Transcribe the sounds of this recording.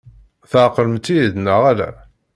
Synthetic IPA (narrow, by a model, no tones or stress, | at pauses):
θəʕqələmt̪ːiðnəʁalæ̰